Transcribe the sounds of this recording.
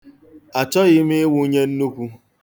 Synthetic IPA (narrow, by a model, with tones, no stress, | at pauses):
a˨t͡ʃɔ˦ɣɪ˦mɪ˦ɪ˦wu˦ɲe˦n̩˦nu˦kʷu˦